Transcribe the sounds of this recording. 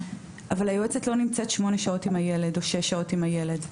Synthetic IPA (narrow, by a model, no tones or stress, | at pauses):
ʔavalajoet͡setlo̞nimt͡setʃmo̞neʃao̞timaje̞ledo̞ʃeʃao̞timhaje̞le̞d